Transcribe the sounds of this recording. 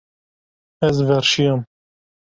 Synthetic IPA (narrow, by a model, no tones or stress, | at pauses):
ɛzvɛɾʃijam